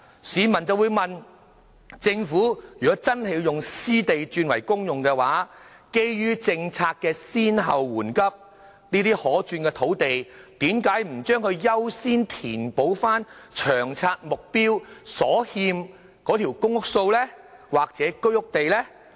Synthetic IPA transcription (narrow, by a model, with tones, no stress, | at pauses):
siː˨˧mɐ˨˩nt͡sɐ˨˧wu˨˧jmɐ˨n | t͡sɪ˧ŋfuː˨˥jyː˨kɔ˨˥t͡sɐ˥nhe˨˧jjʊ˨ŋsiː˥t̪e˨jt͡ʃyː˧nwɐ˨˩jkʊ˥ŋjʊ˨ŋkɛ˧waː˨˥ | ke˥jjyː˥t͡sɪ˧ŋt͡sʰaː˧k̚kɛː˧siː˥nɦɐ˨wːuː˨˩nkɐ˥p̚ | niː˥t̪iː˥hɔː˨˥t͡ʃyː˧nkɛ˧t̪ʰo˨˥wt̪e˨jt̪iː˨˥mkaː˨˥jm̩˨˩t͡ʃœː˥ŋhɵ˧ɥjɐ˥wsiː˥nt̪ʰiː˨˩npo˨˥wfaː˥nt͡ʃʰœː˨˩ŋt͡sʰaː˧t̚mʊ˨k̚piː˥wsɔː˨˥hiː˧m | kɔː˨˥t̪ʰi˨˩wkʊ˥ŋʊ˥k̚so˧wlɛ˥ | waː˨˩k̚t͡sɛː˨˥kɵ˥ɥʊ˥k̚t̪e˨jlɛː˥